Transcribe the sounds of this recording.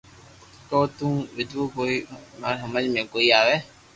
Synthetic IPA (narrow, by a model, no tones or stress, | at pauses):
kɔ̃ːt̪ũːʋɪd̪okoːimaɾɦəməd͡ʒmẽːkoːiaːʋɛː